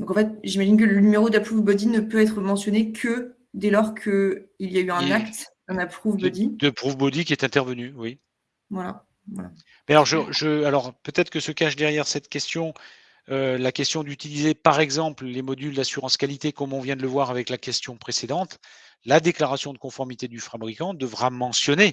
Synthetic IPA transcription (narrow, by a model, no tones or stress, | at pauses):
d̪ɔ̃kɑ̃fɛt̪ʒimaʒink̬ələnymeʁod̪apχuvbɔd̪inəpøɛt̪χəmɑ̃sjɔnekʰə | d̪elɔʁkʰəiljayɛ̃nakt̪ | ɑ̃napχuvbɔd̪id̪əpχuvbod̪ikʲiɛt̪ɛ̃t̪ɛʁvənywi | vwala̰ | va̰la̰ | mɛalɔʁʒəʒəalɔʁpøt̪ɛt̪χəkəsəkaʃd̪ɛʁjɛʁsɛt̪kʲɛst̪jɔ̃ | ølakʲɛst̪jɔ̃d̪yt̪ilizepaʁɛɡzɑ̃pllemɔd̪yld̪asyʁɑ̃skalit̪ekɔmɔ̃vjɛ̃d̪ələvwaʁavɛklakʲɛst̪jɔ̃pχesed̪ɑ̃t̪ | lad̪eklaʁasjɔ̃d̪əkɔ̃fɔʁmit̪ed̪yfabʁikɑ̃d̪əvʁamɑ̃sjɔne